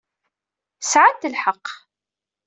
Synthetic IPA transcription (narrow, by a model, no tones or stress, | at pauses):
sʕat̪ːəlħəqː